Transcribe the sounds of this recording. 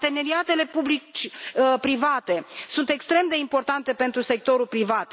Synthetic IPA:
t̪e̞ne̞ɾiat̪e̞le̞publit͡ʃʲpɾivat̪e̞sunt̪e̞kst̪ɾe̞md̪e̞impo̞rt̪ant̪e̞pe̞nt̪ɾuse̞k̚t̪o̞ɾulpɾivat̪

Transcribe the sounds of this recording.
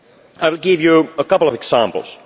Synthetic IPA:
ʔaɪwɪlˠɡɪvjɨəkʌpl̩ˠʌvɛksæ̃mpl̩ˠz̥

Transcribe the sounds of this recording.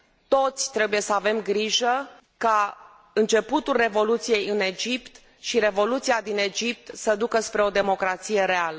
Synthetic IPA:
t̪o̞t̪sʲt̪ɾe̞buje̞səave̞mɡɾiʒə | ka | ɨnt͡ʃe̞put̪ulre̞vo̞lut̪sije̞jɨne̞d͡ʒipt̪ | ʃiɾe̞vo̞lut̪siad̪ine̞d͡ʒip̚t̪səd̪ukəspɾe̞o̞d̪e̞mo̞kɾat̪sije̞ɾe̞alə

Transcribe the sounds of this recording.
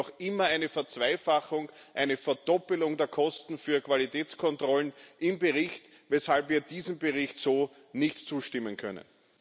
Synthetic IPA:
ɔxʔɪmɐæɪnəfɛɐt͡sv̥æɪfaxʊŋʔæɪnəfɛɐdɔpl̩ʊŋdeːɐkʰɔstn̩fyːɐkʰv̥alitʰɛːt͡skʰɔntʁ̥ɔlnʔɪmbeʁɪçt | vɛshalpviːɐd̥iːzm̩beʁɪçtsoː | nɪçtt͡suːʃtɪmənkʰœ̰nə̰n

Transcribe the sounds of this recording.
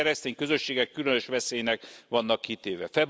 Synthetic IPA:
ɛɾɛst̪eːɲkø̞zøʃːeːɡɛkːylønøʃʋɛseːjnɛkʋɒnːɒkːit̪eːvɛ̰fɛb

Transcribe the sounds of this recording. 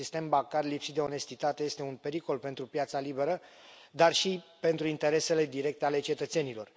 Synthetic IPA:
ist̪e̞mbaŋkarjlipsit̪d̪e̞o̞ne̞st̪it̪at̪e̞je̞st̪e̞unpe̞ɾiko̞lpe̞nt̪ɾupjat̪salibe̞ɾə | d̪arʃipe̞nt̪ɾuint̪e̞ɾe̞se̞le̞d̪iɾe̞k̚t̪eale̞t͡ʃe̞t̪ət̪se̞nilo̞r

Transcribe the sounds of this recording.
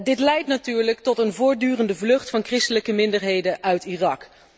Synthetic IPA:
dɪtlɛjtnatyːɹləktɔtənvʊːɹ̚dyːrəndəvlɵχtfɑnkrɪstələkəmɪndəɹɦejdənʔœɥtirɑk

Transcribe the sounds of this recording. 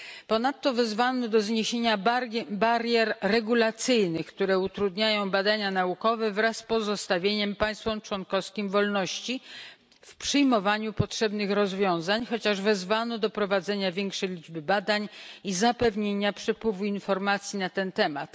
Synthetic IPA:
pɔnat̪ːɔvɛzvanɔd̪ɔzɲeɕeɲabaɾʲjɛɾːɛɡulat̪sɘjnɘxkt̪uɾɛut̪ɾud̪ɲajɔ̃w̃bad̪aɲanaukɔvɛvɾasːpɔzɔst̪avʲjeɲɛmpaj̃st̪fɔmt͡ʂwɔnkɔfskʲimvɔlnɔɕt͡ɕi | fpʂɘjmɔvaɲupɔtʂɛbnɘxɾɔzvʲjɔ̃w̃zaɲxɔt͡ɕaʐvɛzvanɔd̪ɔpɾɔvad̪zɛɲavʲjɛŋkʂɛjlʲid͡ʐbɘbad̪aɲizapɛvɲeɲapʂɛpwɘvuinfɔɾmat̪sʲjinat̪ɛnt̪ɛmat̪

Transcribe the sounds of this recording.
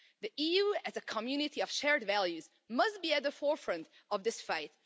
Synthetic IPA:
ðiʔijuɨzɨkʰəmjʉnɨɾiʌv̥ʃɛɹdvælˠjʉz | mʌst̚b̥iɨt̪̚ðəfɔɹfɹʌ̃nt | ʌvðɪsfaɪt̚

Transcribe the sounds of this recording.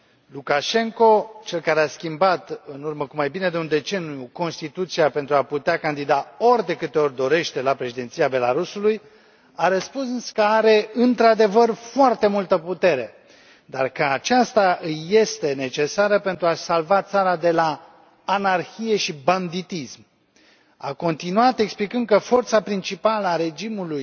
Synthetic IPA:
lukaʃe̞ŋko̞t͡ʃe̞lkaɾeaskʲimbat̪ɨnurməkumajbine̞d̪eund̪e̞t͡ʃe̞nijuko̞nst̪it̪ut̪siape̞nt̪ɾuaput̪eakand̪id̪ao̞rʲd̪e̞kɨt̪e̞o̞rʲd̪o̞ɾe̞ʃt̪e̞lapɾe̞ʃid̪e̞nt̪sijabe̞laɾusuluj | aɾəspunsɨnskəaɾe̞ɨnt̪ɾad̪e̞vərfoart̪e̞mult̪əput̪e̞ɾe̞ | d̪arkəat͡ʃast̪aʔɨːe̞st̪e̞ne̞t͡ʃe̞saɾəpent̪ɾuasalvat̪saɾad̪e̞laː | narçije̞ʃiband̪it̪ism | a̰ko̞nt̪inuat̪e̞ksplikɨnd̪̚kəfo̞rt̪sapɾint͡ʃipaləaɾe̞d͡ʒimuluj

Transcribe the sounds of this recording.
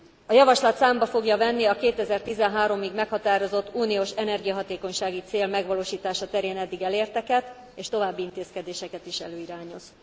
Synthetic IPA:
ɒjɒvɒʃlɒt̪saːmbɒfo̞ɡjɒvɛnːiɒkeːt̪ɛzɛrt̪izɛnɦaːɾo̞miɡmɛkhɒt̪aːɾo̞zo̞t̪ːuːnioːʃɛnɛrɡijɒɦɒt̪eːko̞ɲʃaːɡit̪seːlmɛɡʋɒloːʃiːt̪aːʃɒt̪ɛɾeːnɛd̪ːiɡɛleːrt̪ɛkɛt̪ | eːʃt̪o̞vaːbːiint̪eːskɛd̪eːʃɛkɛt̪iʃɛ̰løːiɾaːɲoz

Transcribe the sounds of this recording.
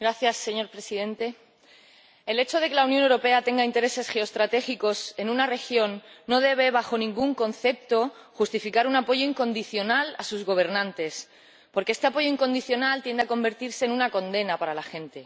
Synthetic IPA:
ɡɾaθjasːe̞ɲo̞ɾpɾe̞siðe̞nt̪e̞ | ele̞t͡ʃo̞ðe̞ke̞launjonewɾo̞pe̞at̪e̞ŋɡaint̪eɾe̞se̞sxeost̪ɾat̪e̞xiko̞se̞nũnare̞xjo̞nːo̞ð̞e̞β̞e̞β̞axo̞nĩŋɡuŋko̞n̟θe̞p̚t̪o̞xust̪ifikaɾunapo̞ʝo̞iŋko̞nd̪iθjo̞nalasuzɣo̞β̞e̞ɾnãnt̪e̞s | po̞ɾkee̞st̪e̞apo̞ʝo̞iŋko̞nd̪iθjo̞nalt̪je̞nd̪eako̞mbe̞ɾt̪iɾse̞ːnũnakõ̞nd̪e̞napaɾalaxẽ̞nt̪e̞

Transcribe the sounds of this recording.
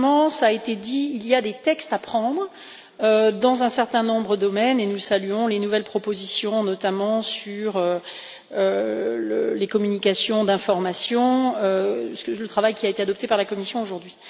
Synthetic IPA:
mɑ̃saːet̪ed̪iːliad̪et̪ɛkst̪apχɑ̃d̪ʁə | ød̪ɑ̃zɛ̃sɛʁt̪ɛ̃nɔ̃bʁəd̪ɔmɛnenusalyɔ̃lenuvɛlpχɔpozisjɔ̃nɔt̪amɑ̃syʁø | ølə̰lekɔmynikasjɔ̃d̪ɛ̃fɔʁmasjɔ̃øslət̪χavajkʲiaet̪ead̪ɔp̚t̪epaʁlakɔmisjɔ̃oʒuʁd̪ɥi

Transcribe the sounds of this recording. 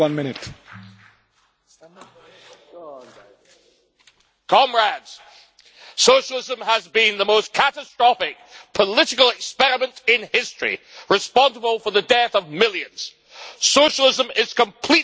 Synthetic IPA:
ʌ̃nmɪnɪt | kʰɑ̃mɹadz̥ | soʊʃəl̩ˠɪzə̃məzbĩnðəmoʊskʰætəstɹ̥ɑfɪk̚pʰəlɪɾɪkəl̩ˠɪkspɛɹɨmə̃ntɪ̃nhɪstɹ̥ḭɹɨspɑ̃nsəbəlˠfə˞ðədɛθʌvmɪlˠjɨ̃nz̥ | soʊʃəl̩ˠɪzə̃mɪz̥kə̃mpʰl̥i

